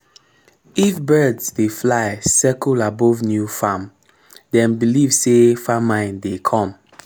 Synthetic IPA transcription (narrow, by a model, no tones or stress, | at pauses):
ifbɜdsdeflaɪsɛkɔlabɔvnjufãm | dɛ̃nbilivsefamãɪ̃ndekʰɔ̃m